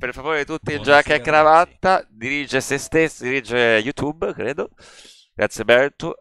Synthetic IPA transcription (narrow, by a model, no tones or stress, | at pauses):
perfavoːɾet̪ut̪ːind͡ʒakɛkːɾavat̪ːad̪iɾiːd͡ʒesest̪esːd̪iɾiːd͡ʒejut̪jubkɾeːd̪o | ɡɾʔat̪sjebɛɾt̪u